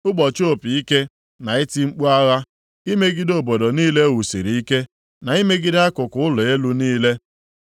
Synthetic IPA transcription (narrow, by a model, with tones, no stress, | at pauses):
ʊ˦ɡ͡bɔ˨t͡ʃo˦˨pi˨i˦ke˦ | na˨ɪ˦ti˦ŋ͡m̩˦k͡pu˦a˦ɣa˦ | i˦me˦ɡɪ˦do˨bo˨do˨niː˦le˦wu˨sḭ˨ɾi˨i˦ke˦ | na˨i˦me˦ɡɪ˦da˦kʊ˨kʊ˦ʊ˦lʊ˨e˦lu˦niː˦le˦